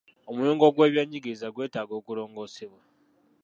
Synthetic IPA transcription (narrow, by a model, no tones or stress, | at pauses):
o̞mujoːŋɡo̞ɡwe̞ːβjaɲiɡiɾizaɡwe̞ːtaːɡo̞ːkuɾo̞ːŋɡo̞ːseβwa